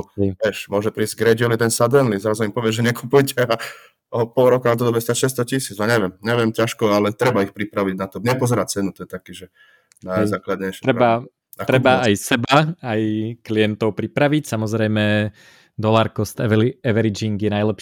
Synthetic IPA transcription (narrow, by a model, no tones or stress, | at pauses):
ɛɛʃmʊɔʒɛpɾiːzɟɡɾɛd͡ʒɔlid̪ɛnsad̪ɛnlizɾazuimpɔʋɪɛʒɛɲɛkupujcɛa | ɔpɔlɾɔkat̪ɔd̪ɔbmɛst̪aʃɛst̪ɔcisid͡zaɲɛʋjɛmɲɛʋɪɛmcaʃkɔalɛt̪ɾɛbaixpɾipɾaʋiɟnat̪ɔɲɛpɔzɛɾac̚t͡sɛnut̪ɔjɛt̪akiːʒɛ | nazaːklad̪ɲɛʃɾɛba | at̪ɾɛbaːjsɛbaajkliɛnt̪ɔʊpɾipɾaʋicsamɔzɾɛjmɛ | d̪ɔlaːɾkɔst̪ɛɛʋɛɾid͡ʒiŋɡjɛnajlɛpʃ